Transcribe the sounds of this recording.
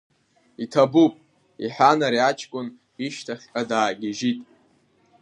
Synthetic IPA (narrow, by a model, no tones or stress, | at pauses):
itʰabupʼ | iħanaɾiat͡ʃʼʰkʷʼʊn | iʃtʰaχʲkʼadaːɡʲɪʒitʼ